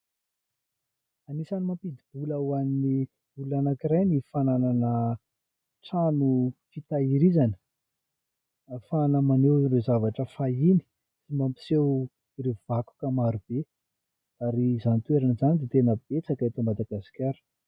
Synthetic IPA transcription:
anisanimampid̪ib̥uləwanini | uluanakiɾajnifanananə | ʈ͡ʂanufit̪aiɾizanə̥ | fanəmanewrezavaʈ͡ʂəfaini̥ | simampi̥sew | iɾev̥aku̥kəmaɾub̥e | aɾizanit̪weɾanizanid̪et̪enəb̥̚et͡sakaet̪əmad̪aɡasi̥kʲaɾu̥

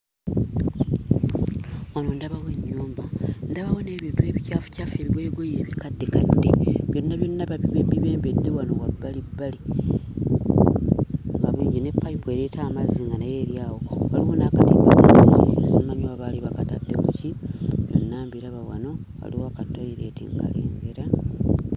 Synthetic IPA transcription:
wanondaβaweɲːuːmbandaβawo̞ne̞ːβintue̞ːβicaːfu̥caːfe̞ːβiɡe̞ɡojeːβikadːekadːe̞βjo̞nːaβjo̞nːaβabiβe̞ːmbedːe̞wano̞wabːalibːali | ŋɡaβiːɲone̞pːaipwe̞ːɾetʰaːmaziŋɡanaje̞ːɾjaːwowaliwonaːkatimama̰sḭḭsimaɲoaβaːliβakatadːe̞kuciβjo̞̰nːaːmbiɾaβawa̰no̞ɣa̰liwakatːoiɾe̞ːtḭŋɡa̰le̞̰ːŋɡe̞ɾa

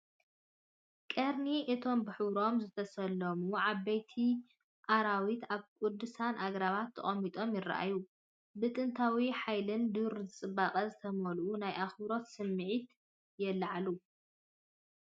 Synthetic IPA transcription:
kʼɐɾniʔɨt̪ʰo̞mbɨħɨwɾo̞mzɨt̪ʰɐsɐlːɐmuʕaβːɐjt̪ʰi | ʔaɾawit̪aβkʼud̪ːɨsanʔaɡɾaβat̪ʰːɐ̰χʼɐmit̪ʼo̞mjɪra̰ʔa̰ju | bɨt̪ʼɨnt̪ʰawiħajlɨnd̪ɨɾzɨt͡sʼɨbaqʼɐzɨt̪ʰɐmɐlʔunajʔaxbɾo̞t̪sɨmːɨʕit̪ | jɛlːaʕalu

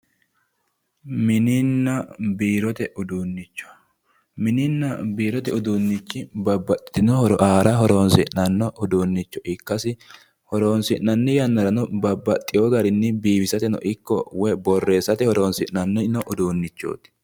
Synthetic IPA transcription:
mɪnɪnːɐbiːɾɔt̪ɛʔʊd̪uːnːɪt͡ʃːɔ̥ | mɪnɪnːɐbiːɾɔt̪ɛʊd̪uːnːɪt͡ʃːɪbɐbːɐt̪ʼːɪ̥t̪ɪnɔhɔɾɔʔaːɾɐɦɔɾoːnsɪʔnɐnːɔʔʊd̪uːnːɪt͡ʃːɔʔɪkːɐsɪ | hɔɾo̞ːnsɪʔnɐnːɪjɐnːɐɾɐnɔbɐbːɐt̪ʼːɪjoɡɐɾɪnːɪbiːbɪsɐt̪ɛnɔ̰ʔɪkːɔ̰wɛbɔrːe̞ːsɐt̪ɛhɔɾoːnsɪʔnɐnːɛnɔʔʊd̪uːnːɪt͡ʃːo̰ːt̪ɪ̥

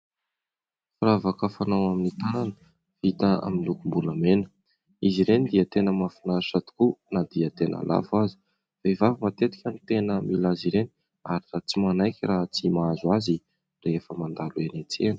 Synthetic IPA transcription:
firavakəfanawaminit̪ananə | v̥it̪aa̰minlukumbuləmenə̥ | iziɾenid̪iət̪enəmafinaʃat̪u̥kunad̪iət̪enʔa̰lʔa̰fazi̥ | faivavimat̪et̪i̥kʲanit̪enəmilaziɾeni | a̰ɾirat͡simanajkʲiraɦt͡simaazwazi | refəmand̪aluenet͡seni̥

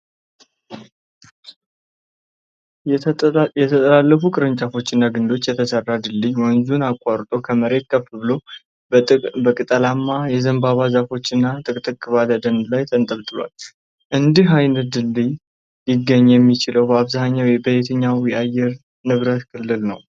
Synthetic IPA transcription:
jɛt̪ʰət̪ʼəlalːəfukʼɨɾɨnt͡ʃʼafo̞t͡ʃːɪnːaɡɨnd̪o̞t͡ʃːjɛt̪ʰəsərːad̪ɨlːijwənzunakʼːaɾt̪ʼo̞kʰəməɾe̞t̪̚kʰəfɨβɨlo̞ | bəkʼɨt̪ʼəlamːajɛzəmbaβazafo̞t͡ʃːɨnːat̪ʼɨkʼt̪ʼɨkʼːɨβaləd̪ənd̪lajt̪ʰənt̪ʼəβt̪ʼɨlwa̰l | ʔɨnd̪iɦajnət̪̚d̪ɨlːij | jɪɡːəɲːjɛmːit͡ʃɪləwbəaβzaɲːawjɛbəjet̪ʰəɲːawjɛajɛɾ | nɨβɾət̪kʰɨlːɨlnə̰w

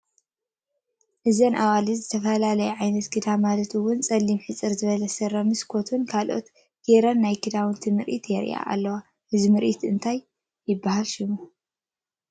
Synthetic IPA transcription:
ʔɨzɐnʔawalizɨt̪ʰɐfɐlalɐjuʕajnɐt̪kʰɨd̪amalɐt̪ɨwʊnt͡sʼɐlːimħɨt͡sʼɨɾzɨβɐlɐsɨɾɐmɨskʰo̞t̪ʰunkʰalʔo̞̰t̪ | ɡ̥eɾɐnːajkʰɨd̪awɨnt̪ʰɨmɨɾʔḭt̪jɛɾḭʔa̰ʔa̰lːɐwa | ʔɨzimɨɾʔit̪ɨnt̪ʰajː | ɪbːahalʃɪmu

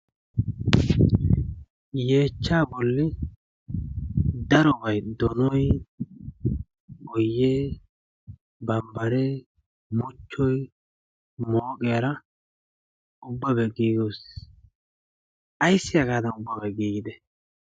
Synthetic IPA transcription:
jeːt͡ʃːaːbɔlːɪ | d̪ɐɾɔbɐjd̪ɔnɔj | ʔɔjːeː | bɐmbɐɾe | mʊt͡ʃːɔj | moːkʼɪjɐɾɐ | ʊbːɐbɛɡiːɡoːs | ʔɐjsːɪjɐɡaːd̪ɐnʊbːɐbɐɡiːɡɪd̪ɛ

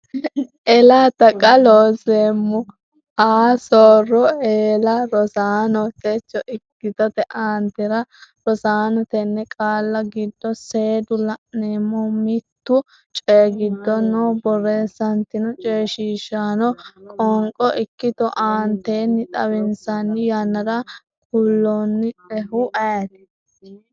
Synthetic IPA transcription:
ʔɛlaːt̪ɐkʼɐloːseːmːʊ | aːsoːrɔeːlɐɾɔsaːnɔt̪ɛt͡ʃːɔʔɪkːɪt̪ɔt̪ɛʔaːnt̪ɛɾɐɾɔsaːnɔt̪ɛnːɛkʼaːlːɐɡɪd̪ːɔseːd̪ʊlɐʔneːmːɔmɪt̪ːʊ | t͡ʃʼeːɡɪd̪ːɔnoːbɔreːsːɐnt̪ɪnɔt͡ʃʼeːʃiːʃaːnɔkʼɔŋkʼɔʔɪkːɪt̪ɔʔaːnt̪eːnːɪt̪ʼɐwɪnsɐnːɪjɐnɐɾɐ | kʊlːonːɪɛɦʊʔɐjɐt̪ɛ̥

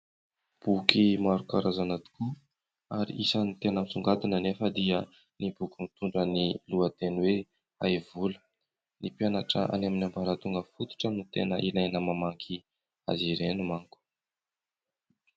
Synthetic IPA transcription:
b̥ukimaɾukaɾazanat̪i̥ku | aɾḭʔisənit̪enəmit͡suŋɡat̪inənefəd̪iə | nibukimit̪uɳɖ͡ʐəniluət̪enwe | a̰jvulə̥ | nipjanaʈ͡ʂəʔa̰naminambaɾat̪uŋɡəfut̪u̥ʈ͡ʂənit̪enəʔilajnəmamaŋkʰi | a̰ziɾenumaŋku̥

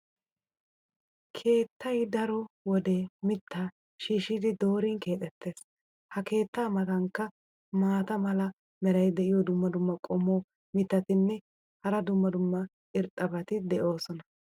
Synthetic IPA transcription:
kʰe̞ːt̪ːɐjd̪ɐɾɔwɔd̪emɪt̪ːa | ʃiːʃɪd̪ɪd̪o̞ːɾɪŋke̞ːt̪ʼɛt̪ʰːe̞ːs | hɐke̞ːt̪ːaːmɐt̪ɐŋkːɐ | maːt̪ɐmɐlɐ | mɛɾɐjd̪ɛʔɪjɔd̪ʊmːɐd̪ʊmːɐkʼɔmːoː | mɪt̪ːɐt̪ɪnːɛ | hɐɾɐd̪ʊmːɐd̪ʊmːɐ | ɪɾt̪ʼːɐbɐt̪ɪd̪ɛʔo̞ːsɔnɐ

